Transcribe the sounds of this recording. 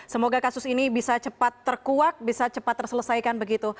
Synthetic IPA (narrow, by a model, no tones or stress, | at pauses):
səmoɡakasʊsinibisat͡ʃəpat̪ːərkuak̚bisat͡ʃəpat̪ːərsələsajkanbəɡit̪u